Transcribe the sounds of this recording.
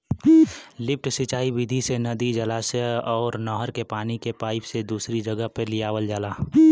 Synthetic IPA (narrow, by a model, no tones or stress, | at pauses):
lɪp̚ʰʈsit͡ʃaːibɪd̪ʱisenɐd̪id͡ʒəlaːseɔːɾnɔːɦəɾkepaːnikepaːɪpsed̪uːsɾid͡ʒəɡəɦpəlɪjaːwəld͡ʒaːlaː